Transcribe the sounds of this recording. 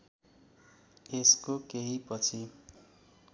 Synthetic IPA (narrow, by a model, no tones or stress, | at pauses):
eskokeɦipʌt͡sʰi